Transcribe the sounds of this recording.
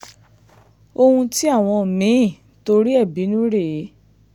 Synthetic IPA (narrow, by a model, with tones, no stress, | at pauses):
o˧hũ˧ti˦a˦˨w̃ɔ̃˧˨mĩ˨˦˨ | to˧ɾi˦ɛ˦˨bi˨˦nũ˦ɾe˦˨˦